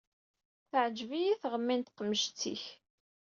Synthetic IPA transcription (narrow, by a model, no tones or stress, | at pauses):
θəʕd͡ʒvijiθʁəmːint̪qəmːəʃt͡sːḭç